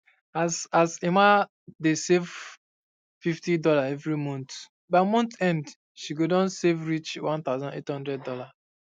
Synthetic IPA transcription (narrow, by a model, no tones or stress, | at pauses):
asasemã | desev | fiftidɔlaɛvɹimɔ̃nt | baɪmɔ̃ntɛ̃nd | ʃiɡodɔ̃nsevɹit͡ʃwãnt̪aʊzãnḛthɔ̃ndɹɛd̚ɔla